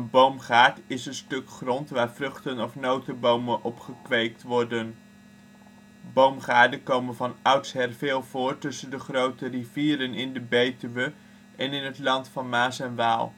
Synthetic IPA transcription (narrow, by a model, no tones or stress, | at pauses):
ənbowmχaːɹtɪsənstɵkχrɔntʋaːɹvrɵχtənɔfnowtəbowmənʔɔpχəkʋejk̚tʋɔɹdən | bowmχaːɹdəkowmənvɑnœɥtsɦɛrvɪːlˠvʊːtɵsəndəχrowtəriviːɾənɪndəbejtəʋə | ɛnɪnɦətlɑntfɑnmaːsɛnʋaːlˠ